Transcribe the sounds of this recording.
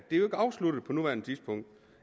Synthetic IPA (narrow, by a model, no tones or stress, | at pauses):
d̥e̝ɐjoe̝ɡ̥əɑ̈ʊslud̥ð̩ˠpʰɒ̽nuʋæɐnət͡sʰisb̥ʰɔ̽ŋ̰d̥